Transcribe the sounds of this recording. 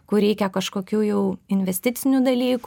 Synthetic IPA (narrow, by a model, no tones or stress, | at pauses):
kʊɾʲɛɪkʲɛkɐʃkoːkʲuːjɛʊɪnʲʋʲɛsʲt̪ʲɪt̪sʲɪnʲuːd̪ɐlʲiːk